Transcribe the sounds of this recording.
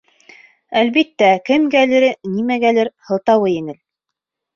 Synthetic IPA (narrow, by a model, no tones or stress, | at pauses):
ælβit̪ːækɘmɡælɘ̆ɾɘnimæɡælɘɾhɤ̆lˠt̪ɑwɤjɘ̆nɘl